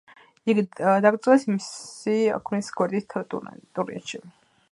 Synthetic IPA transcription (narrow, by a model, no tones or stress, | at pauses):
iɡd̪aɡɾt̪sʼɛsimisia̰kʰnisɡwɛɾd̪isʰt̪ʼt̪ʼuɾḭɛ̰t̪ʃi